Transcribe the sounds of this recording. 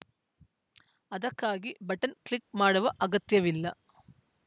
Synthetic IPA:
ɐðɐkːaːɡibɐʈːɐnkɭik̚maːɽuʋɐʔɐɡɐt̪jɐʋilːɐ

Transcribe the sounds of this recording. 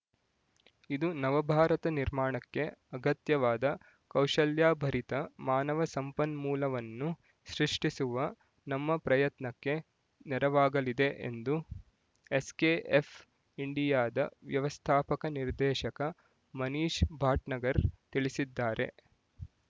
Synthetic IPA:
id̪unɐʋɐbʱaːɾɐt̪ɐniɾmaːɳɐkːe̞ɐɡɐt̪jɐʋaːd̪ɐ | kɐwʂɐljaːbʱɐɾit̪ɐmaːnɐʋɐsɐmpɐnmuːlɐʋɐnːu | ʃɾiʂʈisuʋɐ | nɐmːɐpɾɐjɐt̪nɐkːe̞ | nɛɾɐʋaːɡɐlid̪eʔḛnd̪u | eskeːʔefʰ | iɳɖijaːd̪ɐ̰ʋjɐʋɐst̪ʰaːpɐkɐniɾd̪ɛːʃɐkɐ | mɐniːʃbʱaːʈnɐɡɐɾt̪iɭisid̪ːaːɾe̞̰

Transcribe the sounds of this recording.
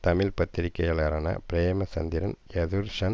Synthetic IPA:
t̪ɐmɪlpɐt̪ːɪɾɪkːɐjɐlɐɾɐːnɐ̰pɪɾeːmɐsɐnd̪ɪɾɐnjɐðuɾʂɐn

